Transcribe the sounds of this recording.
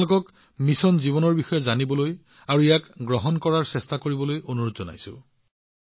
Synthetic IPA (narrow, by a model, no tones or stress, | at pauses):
lʊkɔk | misɔnziβɔnɔɹbixɔjɔzanibɔloj | aɹuijakɡɹɔɦɔnkɔɹaɹsɛstakoɹibɔlojonuɹotzɔna̰jsʊ̰